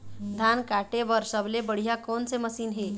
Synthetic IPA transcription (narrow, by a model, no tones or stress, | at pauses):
d̪ʱankaʈeʋəɾsəblebəɽ̤ijakont͡seməsiːnɦe